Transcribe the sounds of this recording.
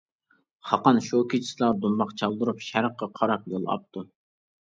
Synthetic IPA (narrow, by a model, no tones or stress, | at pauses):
χɑqɑnʃokʰʲit͡ʃʰi̥slˠɑɾd̪umbɑqt͡ʃʰɑlˠd̪ɨɾupʃæɾqːɑqʰɑɾɑp̚jolˠɑ̰p̚t̪ʰu